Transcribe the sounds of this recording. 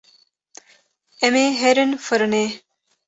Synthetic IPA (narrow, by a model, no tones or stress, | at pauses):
emeːɦeɾənfəɾəneː